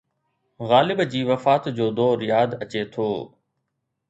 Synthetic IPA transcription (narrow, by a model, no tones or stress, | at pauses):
ɣaːlɪbd͡ʑiːʋɐfaːt̪d͡ʑoːd̪oːɾɪjaːd̪ɐt͡ɕet̪ʰoː